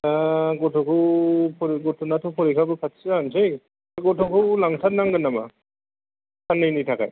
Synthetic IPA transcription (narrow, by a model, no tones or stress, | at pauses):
aɡɔtʰɔkʰɯpʰɔɾɡɔtʰɔnatʰupʰɔɾikʰabɯpʰat̚sɯansɯj | ɡɔtʰɔkʰɯwlaŋsʰanːaŋɡɯnːama | sʰanːɯjnitʰaka̰j